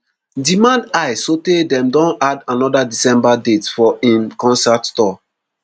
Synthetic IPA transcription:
dimãndaɪsotedɛ̃mdɔ̃nadãnɔdadisɛ̃mbadetfɔʔĩnkɔ̃nsattɔ

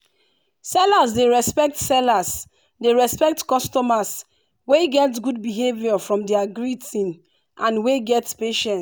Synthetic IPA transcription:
sɛlasdeɹɛspɛk̚tsɛlas | deɹɛspɛk̚tkɔstɔmas | weɡɛtɡud̚biɦeviɔfɹɔ̃mdɛaɡɹitĩn | ʔãnweɡɛtpeʃɛ̃n

